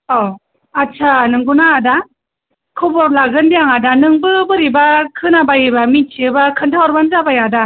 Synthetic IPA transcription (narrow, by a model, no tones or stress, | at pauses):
ɔ | at͡ʃʰanɯŋɡunaːda | kʰɯbɔɾlaɡɯndijaŋadanɯŋbɯbɯɾibakʰɯnabajɯbamit͡ʃʰiɯbakʰɯntʰawɔɾbanzabajada